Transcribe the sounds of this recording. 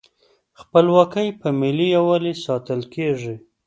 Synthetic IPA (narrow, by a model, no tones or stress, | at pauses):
xpəlwɑkəjpəmɪlijawalisɑt̪əlkʰeʐi